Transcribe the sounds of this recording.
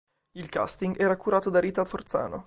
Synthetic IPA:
ilka̰st̪iŋɡɛːɾakuɾaːt̪od̪aɾiːt̪afort̪sa̰ːno̰

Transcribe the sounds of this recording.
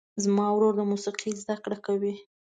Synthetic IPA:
zmɑwɾoɾd̪əmusiqʰizd̪akɽakawi

